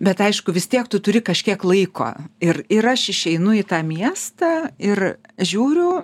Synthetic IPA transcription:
bʲɛt̪ɐɪʃkʊʋʲɪst̪ʲiɛkt̪ʊt̪ʊɾʲɪkɐʃʲkʲiɛklˠɐɪko̰ːɪrɪɾɐʃɪʃʲɛɪnʊɪt̪ɑːmʲiɛst̪ɑɪrʒʲuːɾʲʊ

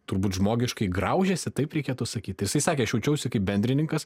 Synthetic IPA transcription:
t̪ʊɾbuːt̪ʒmoːɡʲɪʃkɐɪɡɾɐʊʒʲɛsʲɪt̪ɐɪpɾʲɛɪkʲeːt̪ʊsɐkʲiːt̪ʲjɪsɐɪsɑːkʲeɐʃjɛʊt͡ʃʲɛʊsʲɪkɐɪp̚bʲɛnʲd̪ʲɾʲɪnʲɪŋkɐs

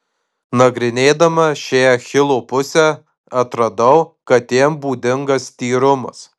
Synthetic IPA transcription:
nɐɡɾʲɪnʲeːd̪ɐmɐʃʲejɛxʲɪlˠoːpʊsʲɛ | ɐt̪ɾɐd̪ɐʊkɐt̪ʲːiɛmbuːd̪ʲɪŋɡɐst̪ʲiːɾʊmɐ̰s

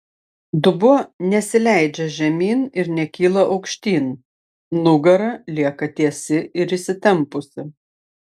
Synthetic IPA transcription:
d̪ʊbʊnʲɛsʲɪlʲæˑɪd͡ʒʲɛʒʲɛmʲiːnɪɾnʲɛkʲiːlˠɐʔɐʊkʃʲt̪ʲiːn | nʊɡɐɾɐlʲiɛkɐt̪ʲiɛsʲɪʔɪɾɪsʲɪt̪ʲɛmpʊsʲɪ

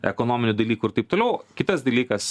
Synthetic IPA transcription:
ɛ̰koːnoːmʲɪnʲud̪ɐlʲiːkʊɪɾt̪ɐɪp̚t̪oːlʲɛʊkʲɪt̪ɐsd̪ɐlʲiːkɐs

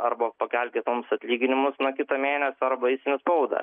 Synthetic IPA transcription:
ɐɾbɐpɐkʲɛlʲkʲet̪oːmʊsɐt̪ʲlʲiːɡʲɪnʲɪmʊsnɐkʲɪt̪ɐmʲeːnʲɛsʲɐɾbɐiɪsʲɪnʲɪspɐʊd̪ɐ̰

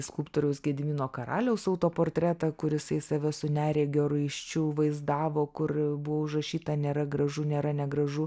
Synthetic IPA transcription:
skulpt̪oːɾʲɛʊsɡʲɛd̪ʲmʲiːnoːkɐɾɑ̰ːlʲɛʊsɐʊt̪oːpoːrʲt̪ʲɾʲæːt̪ɐkʊɾjɪsɐɪsɐʋʲɛsʊnʲæːɾʲeːɡʲoːɾʊɐɪʃʲt͡ʃʲʊʋɐɪzd̪ɑːʋoːkʊrbʊʋoːʊʒrɐʃʲiːt̪ɐnʲeːɾɐɡɾɐʒunʲeːɾɐnʲɛɡɾɐʒʊ

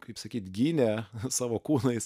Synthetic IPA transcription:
kɐɪpsɐkʲiːt̪ɡʲiːnʲɛsɑːʋoːkuːnɐɪs

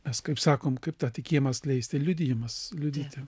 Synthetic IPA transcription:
mʲɛskɐɪpsɑːkoːmkɐɪpt̪ɑːtʲɪkʲiɛjomɐsklʲɛɪsʲt̪ʲɪlʲʊd̪ʲɪjomɐslʲʊd̪ʲiːt̪ʲɪ

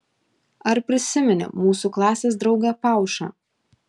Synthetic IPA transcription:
ɐɾpʲɾʲɪsʲɪmʲɛnʲɪ̰muːsuklˠɑːsʲes̬d̪ɾɒʊɡʲɛpɑˑʊʃɐ̰

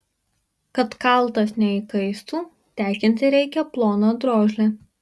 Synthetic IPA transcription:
kɐt̪kɐˑlˠˑt̪ɐsnʲɛɪkɐɪst̪uː | t̪ʲæːkʲɪnʲt̪ʲɪɾʲɛɪkʲɛplˠoːnod̪ɾoːʒʲlʲe

